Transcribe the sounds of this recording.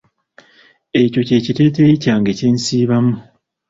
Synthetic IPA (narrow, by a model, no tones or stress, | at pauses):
e̞co̞ce̞ːcite̞ːtecaːŋɡeceːnsiːβamu